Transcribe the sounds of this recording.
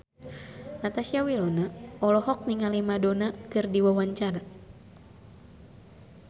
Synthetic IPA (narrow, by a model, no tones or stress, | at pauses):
nat̪asiawilɔnaɔlɔɦɔk̚niŋalimadonakɨrdiwawaɲt͡ʃaɾa